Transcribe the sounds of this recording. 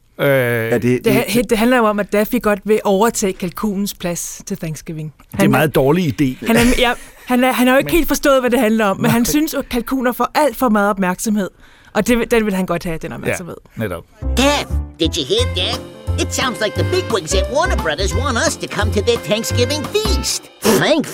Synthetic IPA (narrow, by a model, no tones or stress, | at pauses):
ød̥ed̥ehd̥e̝ɦænlɐjoɒ̽mæd̥æfiɡ̥ɒ̽d̥ʋe̝ʔɒʊɐt͡sʰɛ̰ːkʰælkʰṵːnn̩spʰlæst͡sʰe̝lθæŋsɡ̥eʋe̝ŋ | dæ̥emɑ̈ːð̩ˠd̥ɒːliid̥e̝̰ːhænæɐjæ | hænæɦænæɐjoe̥e̝̰ːld̥fɒ̽sd̥ɔ̰̽ːð̩ˠʋæd̥e̝ɦænlɐɒ̽mːenɦænsynskʰælkʰṵːnɐfɒʔæl̰d̥fɒ̽mɑ̈ːð̩ˠɒ̽b̥mæɐɡ̥sɒ̽mhe̝ð̰ˠ | ʔɒ̽d̥e̝d̥enʋe̝lɦænɡ̥ɒ̽d̥̚hæd̥enɒ̰bmæ̰sɐʋeðˠneɾ̰ | d̥ɛfd̥ɨd͡ʒɨhiɹ̚d̥ɛfɨtsãʊ̃ndzlaɪk̚ðəbɪɡwɪ̃ŋzɨt̚wɑnəbɹʌðə˞zwɑ̃nʌstʰɨkʰʌ̃mtʰɨðə˞θæ̃ŋksɡ̥ɪvɪ̃ŋfist | θæ̃ŋk